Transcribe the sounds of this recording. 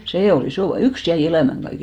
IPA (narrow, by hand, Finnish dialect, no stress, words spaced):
seː ol isoˑ ʋɑ yks jæi elæˑmæŋ ɡ̊ɑike